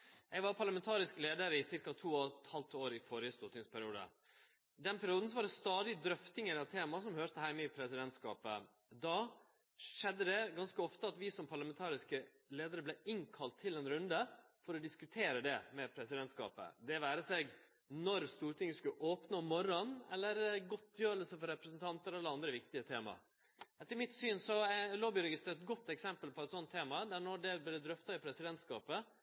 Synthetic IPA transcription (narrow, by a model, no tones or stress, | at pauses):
ʔɛɡʋɑɾpʰɑɭlɑmɛnt̪ʰɑːɾɪskəleːd̪əɾəɪsɪɾkɑt̪ʰuːɔt̪hɑlt̪oːɾɪfɔɾɪəst̪uːɾʈ̪ɪŋspʰæɾɪuːd̪ə̰ | d̪ɛnpʰæɾɪuːd̪n̩sɔʋɑɖɛst̪ɑːd̪ɪd̪ɾœft̪ɪŋəɾɑt̪ʰeːmɑsɔmhøːɾt̪əhæɪməɪpʰɾɛsɪd̪ɛnt̪skɑ̰ːpə | d̪ɑ | ʂɛd̪ːəd̪ɛɡɑnskəɔft̪əɑt̪ʋɪsɔmpʰɑɾɭɑmɛnt̪ʰɑːɾɪskə | leːd̪əɾəblɛɪŋkʰɑlt̪ʰːɪlɛnɾʉnd̪ə | fɔɾɔd̪ɪskʉt̪ʰeːɾəd̪ɛmɛpʰɾɛsɪd̪ɛnt̪skɑ̰ːpə̰d̪ɛʋæːɾəsɛɡ | nɔɾst̪uːɾʈ̪ʰɪŋəskʉlʔoːpnoːmɔɾɔnɛ̰lːəɾɡɔt̪ʰːjøːɾəlsəfɔɾɛpɾəsnt̪ʰɑnt̪əɾɛlːəɑnd̪ɾəʋɪkt̪ɪət̪ʰeːmɑ̰ | ɛt̪ːəɾmɪt̪syːnsɔæloːbɪɾɛɡɪst̪ːɛt̪̚ɡɔt̪ːɛksɛmpəlpʰɔɛt̪sɔnt̪ʰːeːmɑd̪æɳɔɖɛblɛd̪ɛd̪ɾœft̪ɑɪpʰɾɛsɪd̪ɛnt̪skɑːpə